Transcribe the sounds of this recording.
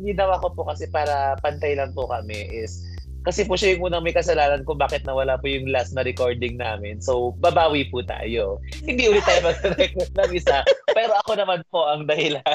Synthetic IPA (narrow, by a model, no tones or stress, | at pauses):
ɡ̪ɪnɐwakopokɐsɛpaːɾɐpɐnt̪ɐjlɐŋpʊkɐmɛʔɪs | kɐsɛpʊʃajʊŋuːnɐŋmɐjkɐsɐlaːnɐnkʊŋbaːkɛt̪̚nɐwɐlapʊjʊŋlasnɐɾɛko̞ɹd̪ɪŋnaːmɪnsowbɐbaːwipʊt̪a̰ːjo | hɪnd̪iʔuːlɪt̪ːaːjomɐɡ̚d̪ɛɾɛkɛt̪nɐmɪsapɛːɾo̞ʔɐko̞nɐmanpo̞ʔɐŋd̪ɐhɪla